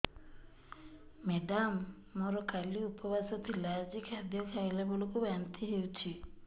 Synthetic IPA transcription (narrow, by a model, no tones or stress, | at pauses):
meɖamː | ɔɾɔkʰaliupɔbasɔt̪ʰilad͡ʒikad̪ʱjɔkʰajlabɔlɔkubant̪ʰiɦewt͡ʃʰi